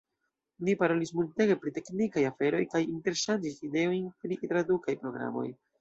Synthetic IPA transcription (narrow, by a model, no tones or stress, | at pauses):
nipaɾo̞lismulte̞ɡe̞pɾite̞knikajafe̞ɾo̞jkajinte̞ɾʃand͡ʒiside̞o̞jnpɾitɾadukajpɾo̞ɡɾa̰mo̞̰j